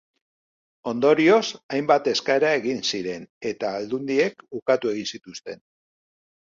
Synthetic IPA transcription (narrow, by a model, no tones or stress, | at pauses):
o̞nd̪o̞ɾio̞sajmbat̪e̞skaeɾae̞ɣinsiɾe̞ne̞t̪aːld̪und̪ie̞kukat̪ue̞ɣ̞insit̪ust̪e̞n